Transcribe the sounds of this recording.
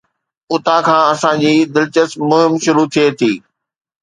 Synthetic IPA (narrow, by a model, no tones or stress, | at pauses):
ʊt̪akʰãːɐsãd͡ʑiːd̪ɪlt͡ɕəsmʊɦɪmʃʊɾut̪ʰiet̪ʰiː